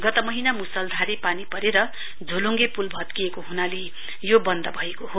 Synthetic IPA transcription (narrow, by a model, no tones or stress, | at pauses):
ɡʌt̪ʌmʌɦinamusʌld̪ʱaɾepanipʌɾeɾʌ | d͡zʱoluŋɡepulbʱʌt̪kiekoɦunale | jobʌnd̪ʌbʱʌekoɦo